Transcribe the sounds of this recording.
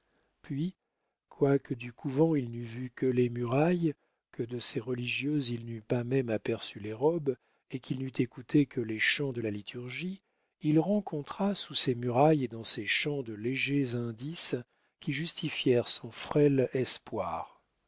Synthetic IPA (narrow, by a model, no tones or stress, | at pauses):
pɥi | kʰwakʰəd̪ykʰuvɑ̃ilnyvykəlemyʁaj | kəd̪əseʁəliʒjøzilnypamɛmapɛʁsyleʁɔb | ekʲilnyt̪ekut̪ʰekʰəleʃɑ̃d̪əlalit̪ʰyʁʒi | ilʁɑ̃kʰɔ̃t̪χasusemyʁajd̪ɑ̃seʃɑ̃d̪əleʒezɛ̃d̪is | kʲiʒyst̪ifjɛʁsɔ̃fχɛlɛspwa̰ːʁ